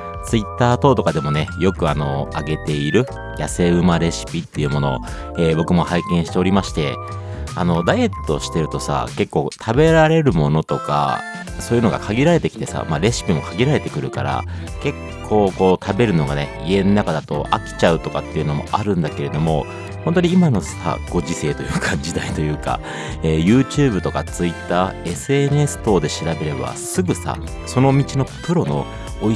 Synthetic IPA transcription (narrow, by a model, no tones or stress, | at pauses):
t͡sɨit̪ːaːt̪o̞ːt̪o̞kad̪e̞mo̞ne̞jo̞kɯ̟ano̞aɡe̞t̪e̞iɾɯ̟ | jase̞ɯ̟maɾe̞ɕi̥pʲit̪ːe̞jiɯ̟mo̞no̞ | eːbo̞kɯ̟mo̞haikẽ̞ɰ̃ɕit̪e̞o̞ɾʲimaɕi̥t̪e̞̰ | ano̞d̪aie̞t̪ːo̞ɕi̥t̪e̞ɾɯ̟t̪o̞sa̰ke̞kːo̞ːt̪ʰabe̞ɾaɾe̞ɾɯ̟mo̞no̞t̪o̞ka̰ | so̞ːjɯ̟noɡa̰kʰaɡʲiɾaɾe̞t̪e̞kʲi̥t̪e̞sa̰maɾe̞ɕi̥pʲimo̞kʰaɡʲiɾaɾe̞t̪e̞kɯ̟ɾɯ̟ka̰ɾa̰ | ke̞kʰːo̞ːko̞ːt̪ʰabe̞ɾɯ̟no̞ɡane̞ie̞nːakad̪at̪o̞̰ʔakʲi̥t͡ɕaɯ̟t̪o̞kat̪ːe̞iɯ̟no̞mo̞̰ʔaɾɯ̟̃nd̪ake̞ɾe̞d̪o̞mo̞̰ | hõ̞nt̪oɲ̟iimano̞sa̰ɡ̥o̞ʑise̞ːt̪o̞jɯ̟ːkad͡ʑid̪ait̪o̞jɯ̟ːka̰ | eːjɯ̟ːt͡ɕɨːbɯ̟t̪okat͡sɨit̪ːaːe̞sɨe̞ne̞sɨ̥t̪o̞ːd̪e̞ɕiɾabe̞ɾe̞ba̰sɨɡɯ̟sa̰ | so̞no̞mʲit͡ɕino̞pʰɯ̟ɾo̞no̞̰ː